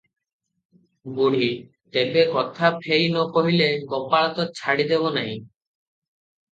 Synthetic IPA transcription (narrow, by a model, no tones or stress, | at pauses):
ɡuɽ̤i | t̪ebekɔt̪ʰapʰejnɔkɔɦileɡɔpaɭɔt̪ɔt͡ʃʰaɽid̪ebɔnaɦĩ